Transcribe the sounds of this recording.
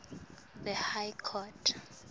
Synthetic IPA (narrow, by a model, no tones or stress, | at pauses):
ðɛhajkʰɔtʰ